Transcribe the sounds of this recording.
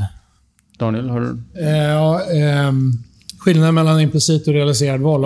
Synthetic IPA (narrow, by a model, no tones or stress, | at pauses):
d̪̥ɑːnɪɛlhaɖɵ̰ɑː | ɧɪlnad̪əmɛlːanɪmplɪsiːt̪ɔɾɛalɪseːɾad̪vɔl